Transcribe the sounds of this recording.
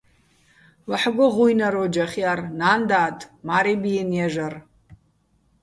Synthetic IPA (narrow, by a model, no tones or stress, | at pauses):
laħɡʷʊʁʷujnaɾod͡ʒaχʲjarnandaːtʼmaɾebijenjaʒar